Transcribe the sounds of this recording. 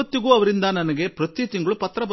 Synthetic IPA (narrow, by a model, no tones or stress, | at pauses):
ɐt̪ːjiɡuːɐʋɐɾind̪ɐnɐnɐɡe̞pɾɐt̪it̪iŋɡɐɭupɐt̪ːɾɐbɐ